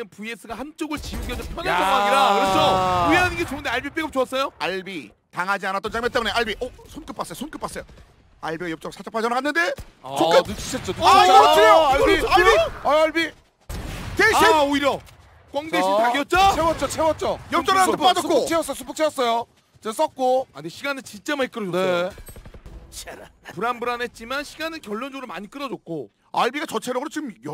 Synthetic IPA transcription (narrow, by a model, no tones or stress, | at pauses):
ɯnpues͈ɯɡahant͡ɕ͈oɡɯɭt͡ɕiuɡiʌnd͡ʑʌpʰʌmanaak͈oaɲiɾakɯʌt͡ɕoweɦaninɡet͡ɕonɯnde̞aɭbip͈eɡɯp̚t͡ɕoʌs͈ʌjoaɭbi | taŋɦad͡ʑianat͈ʌnt͡ɕaŋmet͈emune̞aɭbiʔʌsʰonk͈ɯp͈as͈ʌjosʰonk͈ɯp͈as͈ʌjo | aɭbiɡajʌp̚t͡ɕ͈ʌɡɯɭsʰat͡ɕ͈ḁpʰad͡ʑʌnɯɦanːɯnde̞ | sʰok͈ɯut͡ɕʰi̥ɕʰʌt̚t͡ɕ͈otːaʌt͡ɕiɾejoabiaaɭbi | teeaoiɾjʌ | kwaŋdeɕiaɡijʌt̚t͡ɕ͈aewʌt̚t͡ɕ͈ot͡ɕʰewʌt͡ɕ͈ojʌpt͡ɕ͈ʌatʰep͈ad͡ʑʌkot͡ɕʰeʌs͈ʌjosʰu̥pʰɯ̥kt͡ɕʰʌs͈ʌjo | t͡ɕes͈ʌk̚k͈oaneɕʰiɡanɯnt͡ɕint͡ɕ͈emaɲik͈ɯɾʌd͡ʑonsjo | puɾanbuɾanet̚t͡ɕ͈imanɕʰiɡanɯnkjʌɭːond͡ʑoɡɾɯɭmaɲik͈ɯɾʌd͡ʑok̚k͈o | aɭbiɡat͡ɕʌt͡ɕʰeɾʌɡɯɾot͡ɕiɡɯmjʌ